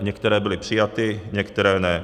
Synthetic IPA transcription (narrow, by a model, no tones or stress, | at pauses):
ɲɛkt̪ɛɾɛːbɪlɪpr̝̥ɪjat̪ɪɲɛkt̪ɛɾɛːnɛ